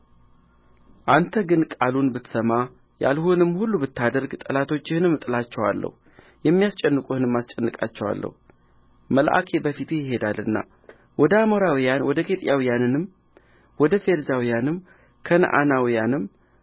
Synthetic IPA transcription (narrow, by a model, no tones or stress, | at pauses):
ʔant̪ʰəɡɨnkʼalunbɨt̪səma | ja̰lhonɨmːhulːubɨt̪ːad̪əɾɡt̪ʼəlat̪ʰo̞t͡ʃːɪhɨnɨmːt̪ʼɨlat͡ʃːɛwa̰lːə̰hu | jɛmːijast͡ʃʼɛnːɨkʼuhɨnɨmːast͡ʃʼɛnːɨkʼa̰t͡ʃːɛwa̰lːə̰hu | məlʔa̰kʰe̞bəfit̪ʰejɪɦe̞d̪alɨnːa̰ | wɔd̪əamo̞ɾawijanwɔd̪əkʰe̞t̪ʼjawijanɨnɨm | wɔd̪əfeɾzawijanɨmː | kʰənə̰ʔa̰nawijanɨm